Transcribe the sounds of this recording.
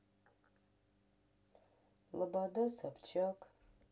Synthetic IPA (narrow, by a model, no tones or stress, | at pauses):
lɨbadɐsɐpt͡ʃʰɐkʼ